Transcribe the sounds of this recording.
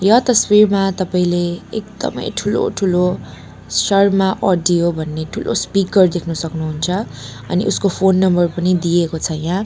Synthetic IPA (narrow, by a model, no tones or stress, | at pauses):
jʌt̪ʌsbirmat̪ʌpaĩleek̚d̪ʌ̰mʌ̰jʈʰulo̰ʈʰulo | sʌrmaʔʌɖijobʱʌnːeʈʰulʔo̰spikʌrd̪ekʰnʌsʌknuɦunt͡sʰʌʌ̰nḭʔuskopʰonːʌmbʌrpʌnid̪iekot͡sʰʌjã